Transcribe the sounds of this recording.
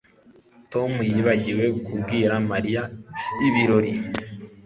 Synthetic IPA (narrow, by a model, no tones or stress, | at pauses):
to̞mujiβaɟiwe̞kʰubɡiːɾamaɾijaiβiɾo̞ɾi